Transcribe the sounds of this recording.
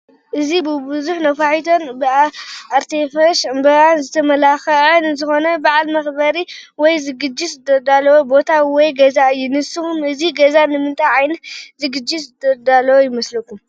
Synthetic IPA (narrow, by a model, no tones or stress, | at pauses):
ʔɨzibɨbuzuħnɐfaħit̪ʰo̞nbɨaaɾt̪ʰefɐʃɨmbɐɾanzɨt̪ʰɐmɐlaxɐʔɐnzɨxo̞nɐbaʕalmɐxbɐɾiwɔjzɨɡɨd͡ʒːisɨd̪ɐd̪alːɐwobo̞t̪ʰawɔjɡɐzaɨjːunɨsɨxumɨziɡɐzanɨmɨnt̪ʼʰajʕajnɐt̪zɨɡɨd͡ʒiszɨd̪ɐd̪alːɐwojɪmɐslɐkːum